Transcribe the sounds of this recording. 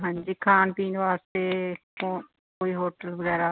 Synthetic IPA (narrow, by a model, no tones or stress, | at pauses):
ɦãːɲd͡ʒiːkʰaːnpiːnʋaːst̪eːkõː | koːiːɦoːʈəlʋəɡɛːɾaː